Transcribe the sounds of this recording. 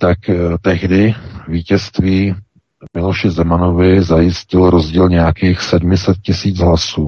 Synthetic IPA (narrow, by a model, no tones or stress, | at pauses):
t̪akt̪ɛɦdɪviːcɛst̪viː | mɪloʃɪzɛmano̞vɪzajɪscɪlɾo̞zɟiːlɲɛjakiːxsɛdmɪsɛt̪̚cɪsiːt͡sɦlasuː